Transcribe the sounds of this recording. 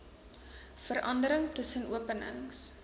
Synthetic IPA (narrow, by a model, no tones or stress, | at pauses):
fərɐndəɾəŋtəsənuəpənə̰ŋs